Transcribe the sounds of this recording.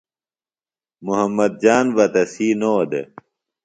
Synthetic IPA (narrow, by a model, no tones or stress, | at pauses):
muɦɐmːɐd̪̚d͡ʑaːnvɐt̪ɐsiːnoːd̪ḛ